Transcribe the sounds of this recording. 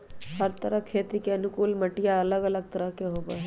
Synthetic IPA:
həɾt̪əɾəkʰeːt̪ikeɐnʊkuːlmɐʈijaɐləɡɐləɡ̚t̪ɐɾəɦkeɦoːbaɦɛ

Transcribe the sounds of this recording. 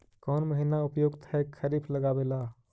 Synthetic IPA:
kɔːnməɦinaʊpjoɡt̪ɦɛkʰəɾipʰləɡaːbelaː

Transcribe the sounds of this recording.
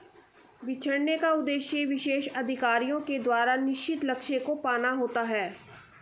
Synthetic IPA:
ʋɪt͡ʃʰəɽnekaʊd̪eːʃjeʋɪʃeːʃɐd̪ʱɪkaːɾijõked̪waːɾanɪʃt͡ʃɪt̪lɐkʃekopaːnaɦoːt̪aɦɛː

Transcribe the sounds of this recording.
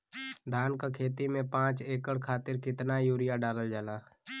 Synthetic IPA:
d̪ʱaːnkakʰeːt̪imẽpãːt͡ʃeːkəɽkʰaːt̪ɪɾkɪt̪najuːɾɪjaɖaːləld͡ʒaːlaː

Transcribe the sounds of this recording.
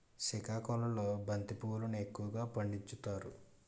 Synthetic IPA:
sikaːkɔlɐloːbʱɐnt̪ipuːlunue̞kːuwɐɡaːpɐɳɖit͡ʃːut̪aːɾu

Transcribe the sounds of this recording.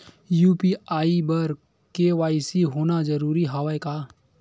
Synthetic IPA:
juːpiaːibəɾ | keːʋaːɪsiɦoːnad͡ʒəɾuːɾiɦaʋaekaː

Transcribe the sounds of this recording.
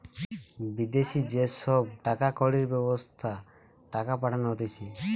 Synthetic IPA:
bid̪esid͡ʒesɔb̚ʈakakɔɽiɾbɛbɔst̪ʰa | ʈakapaʈʰanɦot̪et͡ʃʰi

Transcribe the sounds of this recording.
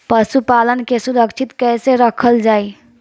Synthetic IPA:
pəsupalənkesuɾəkt͡ʃʰit̪kɛseɾəkʰəld͡ʒaj

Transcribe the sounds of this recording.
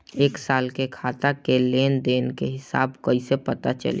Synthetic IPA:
eːksaːlkekʰaːt̪akeleːnd̪eːnkeɦɪsa̰ːbkəisepət̪at͡ʃə̰lḛ

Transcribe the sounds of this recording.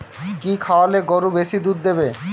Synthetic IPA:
kikʰawaleɡoɾubeʃid̪ud̪d̪ebe

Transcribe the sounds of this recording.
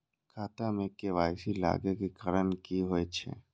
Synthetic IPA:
kʰaːt̪amẽkeʋaːjsila̰ːɡekikəɾənkiɦoet͡ʃʰḛ

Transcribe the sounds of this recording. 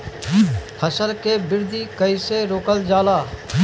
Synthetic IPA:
pʰəsəɾkebɪɾd̪ʱikəɪseɾoːkəld͡ʒaːlaː

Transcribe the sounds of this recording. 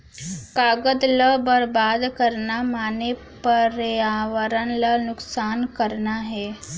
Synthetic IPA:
kaɡəd̪ləbəɾbad̪kəɾnamane | pəɾaʋəɾanlanuksankəɾnaɦe

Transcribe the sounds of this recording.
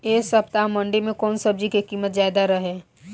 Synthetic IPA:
eːsɐbt̪amɐ̃ɳɖemẽkɔːnsɐb̚d͡ʒikekiːmət̪zjaːd̪aɾɐɦɛː

